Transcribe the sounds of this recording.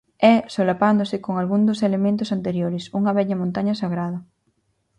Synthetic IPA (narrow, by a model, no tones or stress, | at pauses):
ɛsolapand̪osɪkoŋalɣund̪oselemẽnt̪ʊsant̪eɾjoɾɪsuŋɐβɛʎɐmõnt̪aɲɐsaɣɾaðɐ